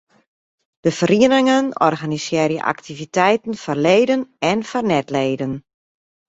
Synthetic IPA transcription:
d̥əfəriənɪŋənɔ̰rɣanisɪːrjə̰ʔa̰ktivitɛjtən̩fɔrleːdənɛnfɔrnɛtleːdən

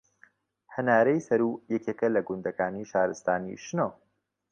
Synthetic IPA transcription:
hɐnaːɾɐjsɐɾuːjɛkeːkɐlɐɡund̪ɐkaːniʃaːɾɨst̪aːnḭʃno

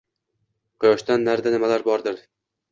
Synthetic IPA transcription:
qɨjɒʃt̪anːaɾd̪anɪmalaɾbɒɾd̪ɪɾ

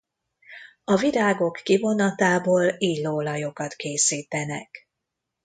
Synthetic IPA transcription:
ɒviɾaːɡo̞kːivo̞nɒt̪aːboːliːloːlɒjo̞kɒt̪keːsiːt̪ɛnɛk

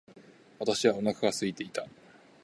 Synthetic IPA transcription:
βat̪aɕiβao̞nakaɡasɨit̪e̞it̪a

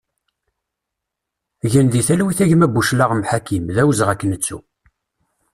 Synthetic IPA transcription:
ʝənðiθælwiθæʝəmæbʷuʃlaʁmħakimðæwzʁækːənət͡sːṵ

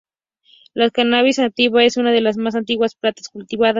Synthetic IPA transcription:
lakanaβisnant̪iβaesunað̞elas̬mas̬ant̪̬iɣwasplat̪ḁskult̪iβaðas

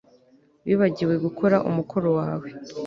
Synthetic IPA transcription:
βiːβaɟiɾwe̞ɡukʰo̞ɾaʔṵmukʰo̞ɾo̞waːwe̞

